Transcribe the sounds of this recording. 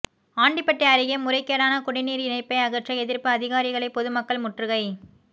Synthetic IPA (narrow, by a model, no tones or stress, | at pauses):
aːɳɖɪpːɐʈːɐɐɾɪɣɐmːʊɾɐɪkːeːɽaːnɐkʊɽɪniːɾɪnɐɪpːɐɪɐɣɐʈrɐɪɛðɪɾpɯɐðɪɣaːɾɪɣɐɭɐɪpɔðɯmɐkːɐɭmʊʈrɯɣɐɪ